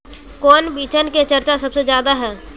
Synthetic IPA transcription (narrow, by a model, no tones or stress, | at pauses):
kɔːnbiːt͡ʃənket͡ʃɐɾt͡ʃasɐbsed͡ʒjaːd̪aɦɛː